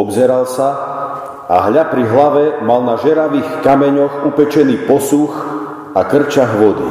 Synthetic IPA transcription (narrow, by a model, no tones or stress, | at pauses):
ɔbzɛɾalsa | ʔa̰ɦʎapɾiɦlaʋɛmalnaʒɛɾaʋiːxkamɛɲɔxupɛt͡ʃɛniːpɔsux | akr̩t͡ʃaɣʋɔd̪ḭ